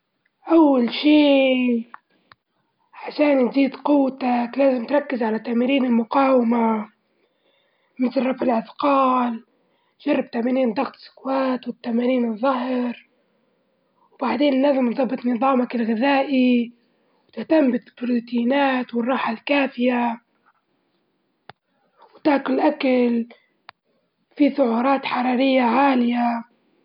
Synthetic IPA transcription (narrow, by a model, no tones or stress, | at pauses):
ʔawːalʃiː | ʕaʃaːninziːd̪qʊwːt̪aklaːzɪmt̪ɾˤɑkːɪzʕalat̪aːmiːɾiːnɪlmʊqɑːwɪma | mɪt̪lrˤɑfʕɪlʕɪt̪qɑːl | ʒ̥ɑrˤːɑb̚t̪aʕmaːɾiːnd̪ɑɣt̪ɪ̥sʊ̥kwaːt̪wɪt̪ːamaːniːnɨðˤːɑɦɾ | wbaʕd̪eːnɪnːazɪmt̪ðˤɑbːɨt̪ˤnɨðˤɑːmakalɣɪðaːʔi | wt̪ɪht̪ambɪlbɾuːt̪iːnaːt̪wɪrˤːɑːħalkaːfɪja | wt̪aʔkʊlʔakal | fiθʊʕuːɾˤɑːt̪ħɑɾˤɑːɾɪjːaʕaːlɪja